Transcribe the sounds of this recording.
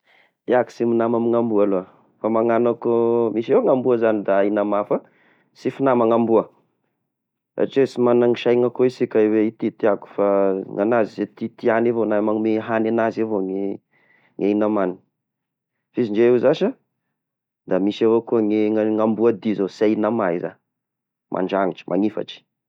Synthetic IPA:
eaki̥siminamamiŋambualoa | famaŋanakomiʃeŋambuəzanid̪ainamafə | sifinamaŋambuə | a̰ʈ͡ʂesimanaŋiʃajŋakoisikaiweit̪it̪iaku̥faŋanazizet̪it̪ianevonamamiɦananazevoŋe | ŋainamani | fiziɳd͡ʒeewzaʃa | d̪amisavokuəŋeŋambuad̪izosainamaiza̰ | mʔa̰ɳɖ͡ʐaŋiʈ͡ʂə̥mʔa̰ŋifa̰ʈ͡ʂi̥

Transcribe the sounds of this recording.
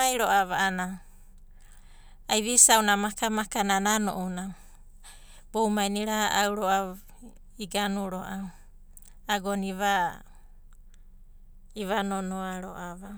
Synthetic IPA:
ajɾoʔaβaʔana | ajβisawnamakamakananano̰ʔuna | b̥owmajniɾahaʔawɾoʔa | iɡanuɾoʔaw | aɡoniβa | iβanonoaɾoʔaβa

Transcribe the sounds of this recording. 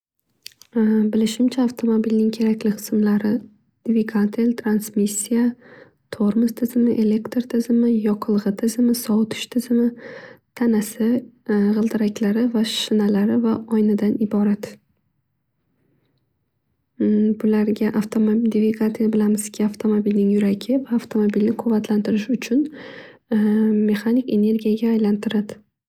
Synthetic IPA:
bɪlɪʃɪmt͡ʃʰaːft̪ʰo̞mobilnɪŋkʲʰe̞ɾakʲlɪqʰɨ̥smlaɾɪ | d̪̥ɪvɪɡʰat̪ʰelt̪ʰɾansmisːija | t̪ʰoɾmʊst̪ʰɪzɪmɪʔe̞le̞kt̪ɾt̪ʰɪzɪmɪjɒqʰɨlˠʁɨt̪ʰɪzɪmɪsɒwt̪ʰɪ̥ʃt̪ʰɪzɪmɪt̪ʰanasɪʁɨlˠd̪ɪɾakʲlaɾɪvaʃʃɪnalaɾɪvaɒjnad̪anɪbɒɾat̪ | bʊlaɾɡʲaʔaft̪ʰomd̪eviɡat̪ijabɪlamɪz̥kʲʰɪaft̪ʰomobilnɪŋjʊɾaɡʲɪvaːft̪ʰomobilnɪkʰʊvːat̪ʰlant̪ʰɪɾɪʃʊt͡ʃʰʊn | me̞χanike̞ne̞ɾɡʲijaɡʲaːjlant̪ʰɪɾad̪ɪ

